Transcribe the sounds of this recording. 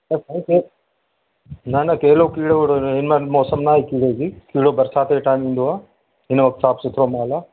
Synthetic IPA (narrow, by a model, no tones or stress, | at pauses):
ɐsəĩke | nɐnakeɦɪlokiːɽoɽoɦɪnmãmɔːsəmnaːɦikiːɽeːd͡ʒiːkiːɽobɐɾsaːt̪eʈaːɪmĩːnd̪oaː | ɦɪnəʋɐk̚t̪saːpsɪt̪ʰɾomaːlaː